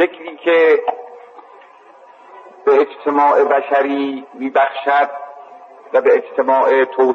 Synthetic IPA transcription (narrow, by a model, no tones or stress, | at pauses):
ekʰliːkʰe | b̥eːd͡ʒt̪ʰemɒːʔe̞bæʃæɾiːmiːbæxʃæd̪̚ | væbeed͡ʒt̪ʰe̞mɒːʔet̪ʰoː